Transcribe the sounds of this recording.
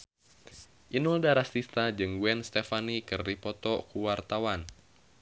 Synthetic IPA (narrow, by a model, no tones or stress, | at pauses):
ʔinuldaɾast̪ist̪ad͡ʒɨŋɡwɛnst̪ɛfanikɨrdipɔt̪ɔkuwart̪awan